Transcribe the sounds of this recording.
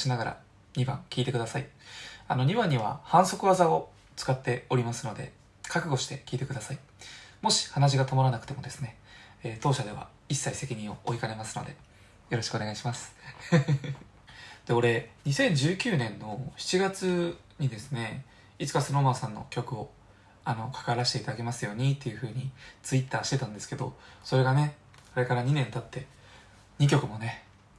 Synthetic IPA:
ɕinaɡaɾa̰ | ɲ̟ibã̰ŋkʲiːt̪e̞kɯd̪asaiano̞ɲ̟iβãɲ̟ːiβ̞a̰hãɰ̃so̞kɯ̟βazao̞ | t͡sɨ̥kat̪ːe̞o̞ɾʲimasɨno̞d̪e̞ | kʰakɯ̟ɡo̞ɕi̥t̪e̞kʲiːt̪e̞kɯd̪asai | mo̞ɕi̥hanaʑ̬iɡat̪omɾanakɯ̥t̪emo̞d̪e̞sɨ̥neːt̪o̞ːɕad̪e̞β̞a̰ | isːaise̞kʲiɲ̟ĩɰ̃o̞̰ʔoikane̞masɨ̥no̞̰d̪e̞̰ | jo̞ɾo̞ɕi̥kɯoneaiɕimasɨ̥ | d̪̥e̞o̞ɾe̞ɲ̟isẽ̞ɲ̟d͡ʑɨːkʲɨːnẽ̞nːo̞çi̥t͡ɕiɡat͡sɨ | ɲ̟id̪e̞sɨne̞ | it͡sɨ̥kasono̞masãnːo̞̰kʲo̞kɯ̟o̞ | ano̞kʰḁkaɾaɕi̥t̪e̞it̪ad̪ake̞masɨjo̞ːɲ̟it̪ːe̞jɯ̟ɸɯ̟ːɲ̟it͡sɨit̪ːaːɕi̥t̪e̞t̪ãnd̪e̞sɨ̥ke̞d̪o̞so̞ɾe̞ɡane̞ | kɾe̞kaɾaɲ̟inẽ̞nt̪at̪ːe̞ | ɲ̟ikʲo̞kɯ̟mo̞ne̞

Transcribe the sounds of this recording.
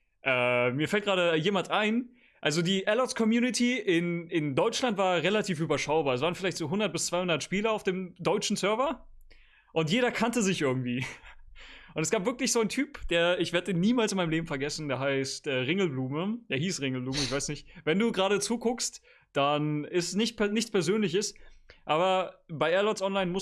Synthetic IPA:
ʔɛːmiːɐfɛltɡ̥aːɾəjeːmantʔaɪn | ʔalzodiːʔɛlɔtskʰɔmjuːnɪtʰiʔɪnɪndɔʏt͡ʃlantv̥aːɐʁelatʰiːfʔyːbɐʃaʊbaːɐɛs̬vaːʁnfɪlaɪçtz̥oːɦʊndɐt̚b̥ɪst͡sv̥aɪhʊndɐtʃpiːləaʊfd̥eːmdɔʏt͡ʃn̩sœɐvɐ | ʔʊntjeːɾɐkʰantəzɪçʔɪɐɡŋ̩tv̥iː | ʔʊntɛsɡ̥aːpvɪɐklɪçz̥oːantʰyːpd̥eːɐɪçv̥eːɐdəeːnːiːmaːlsɪnmaɪnmleːbm̩fɛɐɡɛsn̩deːɐɦaɪstʔɛːʁɪŋl̩bluːməjaːhiːsʁɪŋl̩bluːməɪçv̥aɪsnɪçtvɛnduːɡʁaːɾət͡suːkʰʊkst | d̥anɪstɛsnɪçtpʰɛnɪçt͡spʰɛɐzøːnlɪçəsʔaːβɐbaɪʔɛɐlɔsʔɔnlaɪnmʊ

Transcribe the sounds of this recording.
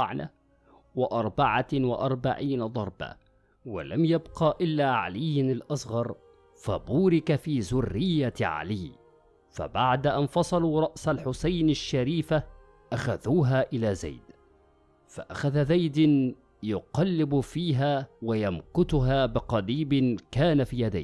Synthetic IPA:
ʕna̰ | wɪʔɑɾˤbaʕawɪʔɑɾˤbaʕiːnad̪ˤɑɾˤba̰ | wa̰lamjabqɑːʔɪlːaːʕa̰lɪjːnalʔɑsˤɣɑɾˤ | fa̰buːɾɪkafiːzʊrːɪjːaʕa̰lɪː | fa̰baʕd̪aʔanfɑsˤɑluːɾˤɑʔsalħʊsajnaʃːaɾiːfa | ʔaxaðuːɦaːʔɪlaːza̰jd̪ | fa̰ʔaxaðazajd̪ | jʊqɑlːɪbfiːɦaːwajamkʊt̪ʊɦaːbɪqɑliːbɪkaːnafiːjad̪a̰jː

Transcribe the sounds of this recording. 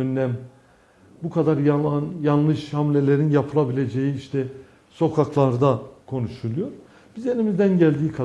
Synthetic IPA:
ønːæm | bukʰad̪aɾjanjanlˠɯʃhamlʲe̞lʲe̞ɾinjapʰɯlˠabilʲe̞d͡ʒejiiʃt̪ʰɛ | so̞kʰaklˠaɾd̪akʰo̞nuʃulˠujo̞ɾ | b̥ize̞nimizd̪ænɟælʲd̪iːkʰa

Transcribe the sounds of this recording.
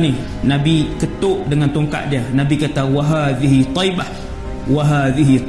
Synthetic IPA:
ni | nabikət̪oʔdəŋant̪oŋka̰ʔ̪̚dianabikat̪awaɦaðiɦit̪ˤɔjbah | waɦaðiɦi

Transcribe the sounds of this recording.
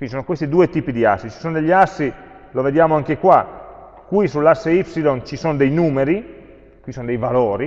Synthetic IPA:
kwindisoːnokwest̪id̪uːet̪iːpid̪ia̰sːit͡ʃisoːnod̪eʎːasːi | loved̪jaːmoaŋkekwa | kwisulːasːeifsilont͡ʃisoːnod̪ejnuːmeɾi | kwisoːnod̪ejvaloːɾi

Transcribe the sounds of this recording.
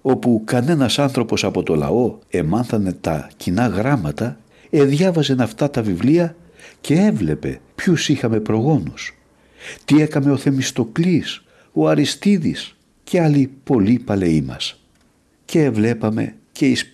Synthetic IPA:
o̞pukɐne̞nɐsɐnθɾo̞po̞sɐpo̞t̪o̞lɐ̰o̞e̞mɐnθɐne̞t̪ɐ̰cinɐɣɾɐmɐt̪ɐ | eðʝɐvɐzenɐft̪ɐt̪ɐvivliɐ | ce̞e̞vle̞pe̞̰pçusixɐme̞pɾo̞ɣo̞nus | t̪ie̞kɐme̞o̞θe̞mist̪o̞klis | o̞ɐɾist̪iðis | ce̞ɐlipo̞lipɐle̞imɐ̰s | ce̞ːvle̞pɐme̞̰ | ce̞is

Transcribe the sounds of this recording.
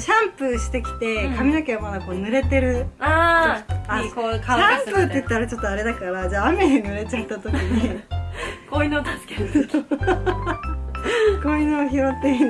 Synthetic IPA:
ɕãmpɯɕi̥t̪e̞kʲi̥t̪e̞kamʲinokʲeβamad̪ako̞ːnɯ̟ɾe̞t̪e̞ɾɯ̟a | akokaãmpɯ̟t̪ːeɯ̟t̪ːaɾat͡ɕo̞t̪ːoaɾe̞d̪akaɾad͡ʑaːame̞ɲinɯ̟ɾe̞t͡ɕat̪ːat̪o̞kʲiɲ̟i | koinoːt̪asɨ̥keɾ | koinoːçiɾot̪ːeɾɯ

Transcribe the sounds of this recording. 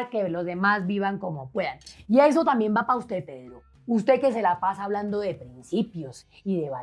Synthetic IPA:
ɾkelo̞zd̪e̞mazbiβaŋko̞mo̞pwe̞ðaniaes̬ot̪ambje̞mbapaust̪e̞ðpeðɾo | ust̪e̞ke̞s̬e̞lapasaːβland̪o̞ðe̞pɾinsipjo̞s | iðe̞βa

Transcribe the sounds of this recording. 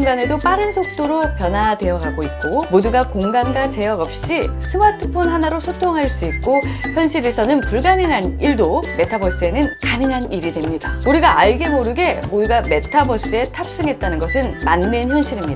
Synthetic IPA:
ŋɡane̞dop͈aɾɯnsʰok̚t͈oɾopjʌnade̞jʌɡaɡoik̚k͈omoduɡakoŋɡaŋɡat͡ɕe̞jʌɡʌp̚ɕ͈isʰɯmatʰɯpʰonɦanaɾosʰotʰoŋɦaɭs͈uik̚k͈oçjʌnɕʰiɾe̞sʰʌnɯnpuɭɡaniŋɦaniɭdome̞tʰabʌs͈ɯe̞nɯnkanɯŋɦaniɾidwe̞mɲida̰uɾiɡaaɭɡe̞moɾɯɡe̞moduɡame̞tʰabʌs͈ɯe̞tʰap̚s͈ɯŋɦe̞t̚t͈anɯnɡʌsʰɯnmanːençjʌnɕʰiɾimɲidaa

